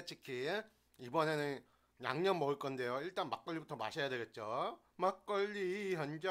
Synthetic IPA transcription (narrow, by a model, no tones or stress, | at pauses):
et͡ɕʰikʰi | ibʌne̞nɯn | ja̰ŋɲʌnmʌɯɭk͈ʌnde̞joiɭt͈anmak͈ʌɭːibutʰʌma̰ɕʰejadwe̞ɡe̞t̚t͡ɕ͈o | mak͈ʌʎːiçjʌnd͡ʑʌ